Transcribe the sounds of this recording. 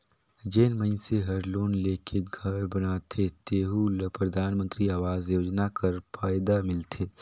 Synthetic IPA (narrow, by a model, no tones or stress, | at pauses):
d͡ʒeːnmə̃ɪnseɦɐɾloːnleːkʰeɡʱɐɾbɐnaːt̪ʰet̪eːɦulpɾɐd̪ʱaːnmə̃nt̪ɾiaːʋaːzjoːd͡ʒnakɐɾfaːjd̪amɪlt̪ʰeː